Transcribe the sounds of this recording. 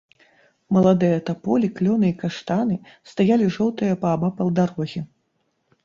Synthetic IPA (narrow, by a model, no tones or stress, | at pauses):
mɐlˠad̪ɨjɐt̪apɔlʲiklʲɔnɨikaʂt̪anɨst̪ajalʲiʐɔwt̪ɨjɐpɐːbapɐlˠd̪aɾɔɣʲɛ